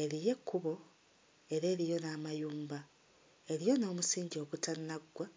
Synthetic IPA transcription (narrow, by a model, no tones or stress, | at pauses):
e̞ɾije̞kːuβo̞ | e̞ɾe̞ːɾijo̞naːmajuːmba | e̞ɾijo̞no̞ːmusiːɲɟio̞ːɡutanːaɡwa